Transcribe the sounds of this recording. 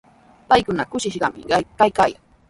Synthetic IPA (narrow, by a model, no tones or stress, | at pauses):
pajkʊnakʊʃɪʃɢɑmɪ̰kajkaːjaŋ